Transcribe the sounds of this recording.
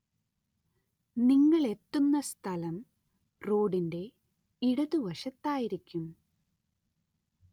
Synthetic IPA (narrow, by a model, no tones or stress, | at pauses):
niŋːɐɭe̞t̪ːunːɐst̪ʰɐlɐm | ro̞ːɽinde̞ | iɽɐðuʋɐʂɐt̪ːaːjiɾikʲːum